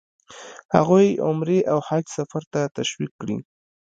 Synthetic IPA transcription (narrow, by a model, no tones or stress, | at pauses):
ha̰ɣujʊ̰mɾeʔawhaksafaɾt̪at̪aʃwikːɽḭ